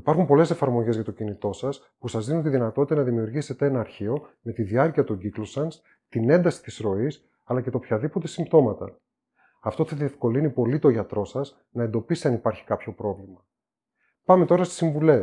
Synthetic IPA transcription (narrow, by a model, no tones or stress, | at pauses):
ipɐɾxumpo̞le̞se̞fɐɾmo̞ʝe̞zʝɐt̪o̞cinit̪o̞sɐs | pusɐzðinunt̪iðinɐt̪ot̪it̪ɐnɐðimiuɾʝiset̪eenɐːɾçio̞me̞t̪iðiɐɾciɐt̪oɟiklo̞sɐns | t̪ine̞nd̪ɐsi̥t̪isɾo̞is | ɐlɐce̞t̪o̞pçɐðipo̞t̪e̞simbt̪o̞mɐt̪ɐ̰ | ɐft̪o̞θɐðie̞fko̞linipo̞lit̪o̞ʝɐt̪ɾo̞sɐz | nɐend̪o̞pist̪eɐnipɐɾçi̥kɐpço̞pɾo̞vlimɐ | pɐmet̪o̞ɾɐst̪i̥siɱvule̞